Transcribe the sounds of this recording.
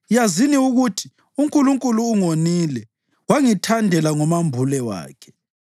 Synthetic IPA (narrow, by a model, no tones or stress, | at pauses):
jaziniuɣutʰi̥ | uŋkʼuluŋkʼuluːŋoniːlɛ | waŋitʰandʱɛlaŋɔmambʱulɛwa̰ːkʰɛ̥